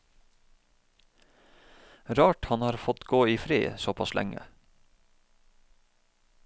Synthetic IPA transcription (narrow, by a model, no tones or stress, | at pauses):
ɾɑːʈhɑnhɑːɾfɔt̪ɡoːiːfɾḭːsɔpʰɑslʔæ̰ŋə̰